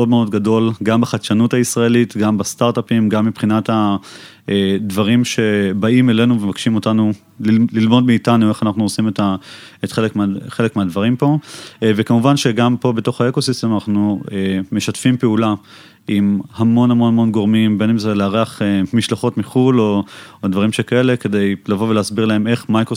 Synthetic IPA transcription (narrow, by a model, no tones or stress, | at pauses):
o̞dmeo̞dɡado̞lɡambaχat̪ʃanuthaisʁae̞litɡambast̪aʁtapimɡamːipχinata | edvaʁimʃe̞baime̞le̞nuvemakʃimo̞tanu | lililmo̞dmiːtanue̞χanaχnuosimetaetχelekmχe̞lekmeadvaʁimpo̞vekamuvanʃeɡampo̞bet̪o̞χae̞ko̞sist̪emanaχnueme̞ʃatfimpeula | imhamo̞nhamo̞nhamo̞nɡo̞ʁmimbe̞nimzeleaʁeaχemiʃlaχo̞tmiχulo̞dvaʁimʃekae̞le̞ke̞de̞jlavo̞veleːsbiʁlae̞me̞χmajkʁo